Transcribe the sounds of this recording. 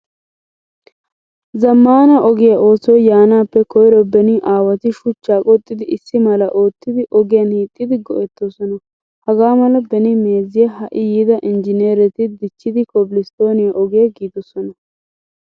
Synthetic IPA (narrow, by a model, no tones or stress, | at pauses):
zɐmːaːnɐʔɔɡɪjɐʔo̞ːsɔjjaːnaːpːɛkɔjɾɔbɛnɪʔaːwɐt̪ɪʃʊt͡ʃːaːkʼɔt̪ʼːɪd̪ɪʔɪsːɪmɐlɐʔoːt̪ːɪd̪ɪʔɔɡɪjɐnhiːt̪ʼːɪd̪ɪɡɔ̰ʔɛt̪ːosɔnɐ | hɐɡaːmɐlɐbɛnɪmeːzɪjɐhɐʔɪjiːd̪ɐʔɪnd͡ʒɪneːɾɛt̪ɪd̪ɪt͡ʃːɪd̪ɪkɔbɪlɪst̪o̞ːnɪjɐʔɔɡɪjɐɡiːd̪ɔsɔnɐ